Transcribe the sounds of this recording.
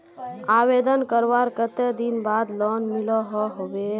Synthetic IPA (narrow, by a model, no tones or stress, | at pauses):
abed̪ənkəɾʋaɾkət̪ed̪inbad̪lɔnmilɔɦɔɦobe